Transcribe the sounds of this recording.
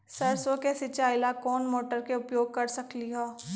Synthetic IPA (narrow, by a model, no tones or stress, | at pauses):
sɐɾsõkesɪt͡ʃaːɪlakɔːnmoːʈəɾkeʊpjoːɡ̚kɐɾsɐkliɦaː